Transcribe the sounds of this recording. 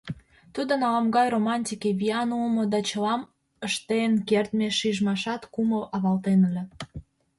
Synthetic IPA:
t̪ud̪onɑlɑmɡɑjromɑnʲt̪ʲikeβiɑnulmod̪ɑt͡ɕəlɑm | əʃt̪enkert̪meʃiʒmɑʃɑt̪kuməʔɑβɑlt̪enəlʲe

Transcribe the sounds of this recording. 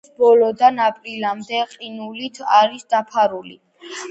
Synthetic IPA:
sbɔlɔd̪anapʼɾilamd̪ɛqʼinulit̪ʰaɾisd̪̥apʰaɾulḭ

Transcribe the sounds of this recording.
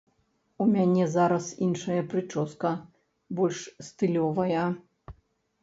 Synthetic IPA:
umʲanʲɛzaɾɐsinʂɐjɐpɾɨt͡ʂɔskɐ | bɔlʲʂst̪ɨlʲɔvɐjɐ

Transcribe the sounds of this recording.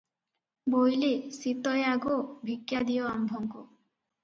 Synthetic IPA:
bojlisit̪ɔjaɡubʱikjad̪ijɔambʱɔŋku

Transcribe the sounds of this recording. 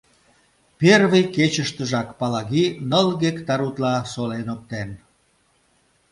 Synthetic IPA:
perβejket͡ɕəʃt̪əʒɑkpɑlɑɣinəlɣekt̪ɑɾut̪lɑsolenop̚t̪en

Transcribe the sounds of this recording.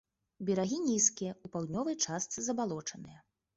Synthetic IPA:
bʲɛɾaɣʲinʲiskʲijɐupawd̪ʲnʲɔvɨjt͡ʂast̪sɨzɐbalˠɔt͡ʂɐnɨjɐ

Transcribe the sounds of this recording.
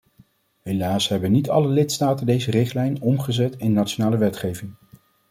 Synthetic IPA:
ɦejlaːsɦɛbənitɑ̰ləlɪtstaːtəndejzərɪχtlɛjnɔmχəzɛtɪnːatt͡ʃonaːləʋɛtχejvɪŋ

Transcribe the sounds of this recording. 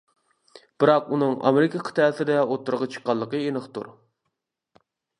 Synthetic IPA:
b̥ɨɾɑqunɨŋɑ̰meɾɪkʰɑqʰə̥t̪ʰæsɪd̪ɛot̪ːuɾʁɑt͡ʃʰə̥qːɑlˠːəqəenəχt̪ṵɾ

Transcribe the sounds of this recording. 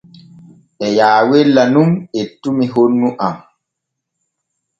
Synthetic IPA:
ʔɛjaːwɛlːanumetːumiɦonːuʔam

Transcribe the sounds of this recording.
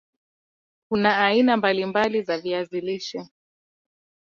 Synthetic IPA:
kunaːinambalimbalizaviaziliʃɛ

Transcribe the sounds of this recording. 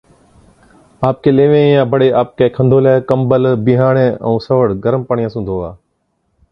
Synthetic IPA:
aːp̚keːleːʋẽːjãːbʱəɽeːʔaːp̚keːkʰə̃nd̪ʱoːlɛːkəmbəlbɪɦaːɽ̃ẽːə̰̃ːsəʋəɽɡəɾəmpəɳ̃ɪjãːsũːnd̪ʱoːaː

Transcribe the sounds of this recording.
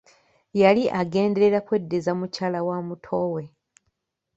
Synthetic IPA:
jaliʔaɡe̞ːnde̞ɾe̞ɾakwe̞dːezamucaːlawamutʰo̞we̞

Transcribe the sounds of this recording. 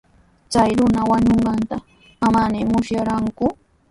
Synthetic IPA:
t͡sajɾʊnawaɲoɴɢɑnt̪a | amanɪmʊʃjaɾaŋkʊ

